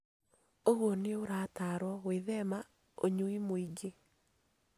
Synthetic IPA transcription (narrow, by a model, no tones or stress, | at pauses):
oɣwɔneoɾaːtaɾwɔweðɛma | oɲuimoiɡe